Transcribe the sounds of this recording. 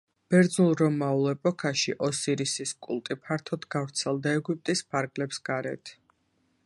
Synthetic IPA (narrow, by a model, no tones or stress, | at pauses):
b̥ɛɾd̪znulˠɾɔmaulˠɛpʼɔkʰaʃiʔɔsiɾisiskʼṵlˠt̪ʼipʰaɾt̪ʰɔd̪ɡavɾt̪sʰɛlˠd̪aɛɡup̚ʼt̪ʼispʰaɾɡlɛpsɡ̥aɾɛ̰t̪ʰ